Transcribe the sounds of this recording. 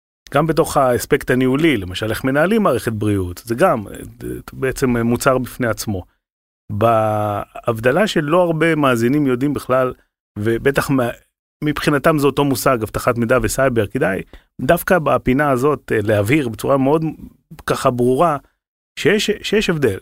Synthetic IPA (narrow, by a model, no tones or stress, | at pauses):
ɡ̥ambe̞to̞χaespe̞kt̪aniulilemaʃaleχme̞naalimːaːʁeχet̪̚bʁiutzeɡam̰ | beet͡se̞mmut͡saʁbifne̞at͡smo̞ | baː | vd̪alaʃe̞lo̞aʁbe̞maːzinimjo̞d̪imbiχlal | vebe̞t̪aχm | mipχinatamzeot̪o̞musaɡavt̪aχatmid̪avesajbeʁked̪aj | d̪afkabapinaːzo̞tleaviʁbet͡suʁameo̞d̪ | kaχabʁuʁa | ʃejeʃʃejeʃe̞vd̪e̞l